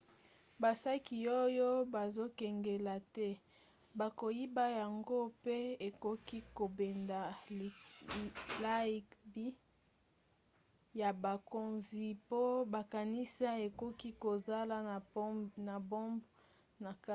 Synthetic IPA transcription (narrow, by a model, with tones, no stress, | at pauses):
ba˨sa˦ki˨o˦jo˦ba˨zo˦kɛ˨ŋɡe˨la˨tɛ˦ | ba˨ko˨ji˦ba˦ja˨ŋɡo˦pe˦e˨ko˦ki˦ko˨be˨nda˨ | la˦i˨kbi˦ | ja˨ba˨ko˨nzi˨po˦ba˨ka˨ni˦sa˦e˨ko˦ki˦ko˨za˦la˨˦na˨bo˦mb | na˨ka˦